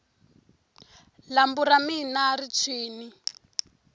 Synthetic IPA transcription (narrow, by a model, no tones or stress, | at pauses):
lambuɾaminarit͡ʃʰiːni